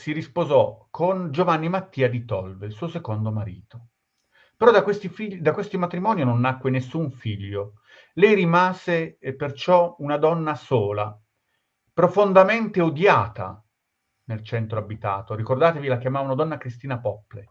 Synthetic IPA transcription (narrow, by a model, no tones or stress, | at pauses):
siɾispozɔkʰond͡ʒovanːimat̪ːiːad̪it̪ɔlvelsuːosekond̪omaɾḭːt̪o | peɾɔd̪akwest̪ifiʎːd̪akːwest̪omat̪ɾimɔːninonːakːwenesːuɱfiʎːo | lɛjrimaːzepert͡ʃɔunad̪ɔnːasoːla | pɾofond̪ament̪eod̪jaːt̪a̰ | nelt͡ʃɛnt̪ɾoabit̪a̰ːt̪oɾikord̪aːt̪evilakjamaːvaunad̪ɔnːakɾist̪iːnapɔpːlḛ